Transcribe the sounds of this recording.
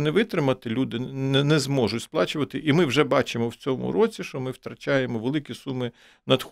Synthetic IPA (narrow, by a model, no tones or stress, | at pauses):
nɛʋɪt̪ɾɪmɐt̪ɪlʲud̪ɪnɛzmɔʒʊtʲsplˠɑt͡ʃʊʋɐt̪ɪʔimɪwʒɛbɑt͡ʃɪmɔwt͡sʲɔmʊ̰ɾɔt͡sʲiʃt͡ʃɔmɪwt̪ɾɐt͡ʃʲɑjemɔʋelˠɪkʲisumɪ | nɐd̪x